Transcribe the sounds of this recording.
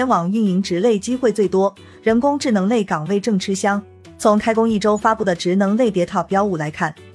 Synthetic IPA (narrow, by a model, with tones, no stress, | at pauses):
ɛ˥nwɑ˨˩ŋy˥˩ni˧˥ŋʈ͡ʂɻ̩˧˥le˥˩ɪt͡ɕi˥xwe˥˧ɪt͡swe˥˩ɪt̪wɔ˥ | ɻə˧˥nkʊ˥ŋʈ͡ʂɻ̩˥˩nɤ˧˥ŋle˥˩ɪkɑ˨˩ŋwe˥˧ɪʈ͡ʂɤ˥˩ŋʈ͡ʂʰɻ̩˥ɕjɑ˥ŋ | t͡sʰʊ˧˥ŋkʰa˥ɪkʊ˥ŋi˥˩ʈ͡ʂo˥ʊfa˥pu˥˩d̪ə˩ʈ͡ʂɻ̩˧˥nɤ˧˥ŋle˥˩ɪt̪jɛ˧˥t̪ʰɑ˨˩ʊpjɑ˥ʊu˥˩la˧˥ɪkʰa˥˩n